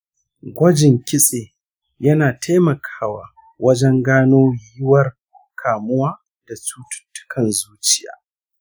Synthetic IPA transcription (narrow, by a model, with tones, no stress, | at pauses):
ɡʷɐ˦d͡ʒɪ˨ŋkʲɪ˦sʼeː˨ | jɐ˦naː˨tʰa˦jmɐ˨kʰḁː˦wa̰ː˨ | wɐ˦d͡ʒɛ˦ŋɡaː˦noː˦jɪ˦wɐ˦r | kʰaː˨mʊ˦waː˦ | d̥a˨tuː˦tʊ̥˦tːʊ̥˦kʰɐ˨nzuː˦t͡ʃɪ˦ja̰ː˨